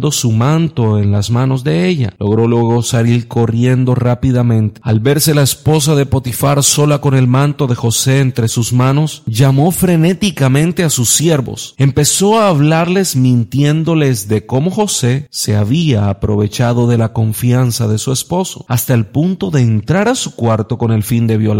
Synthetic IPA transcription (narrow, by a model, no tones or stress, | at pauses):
d̪o̞sumãnt̪o̞enlazmano̞zðe̞eʎa̰lo̞ɣ̞ɾo̞lweɣo̞saɾilko̞rje̞nd̪o̞rapiðamẽ̞nt̪ealβe̞ɾse̞laespo̞s̬aðe̞po̞t̪ifaɾso̞lako̞ne̞lmãnt̪o̞ðe̞xo̞se̞ːnt̪ɾe̞suzmãno̞sʝamo̞fɾe̞ne̞t̪ikamẽnt̪e̞asusːje̞ɾβo̞̰se̞mpe̞so̞aːβlaɾle̞zmĩnt̪je̞nd̪o̞le̞zðe̞ko̞mo̞xo̞se̞se̞aβiaːpɾo̞β̞e̞t͡ʃað̞o̞ðe̞lako̞ɱfjansaðe̞sue̞spo̞so̞̰ast̪aelpunt̪o̞ðe̞ːnt̪ɾaɾasu̥kwaɾt̪o̞ko̞ne̞lfind̪e̞βjo̞la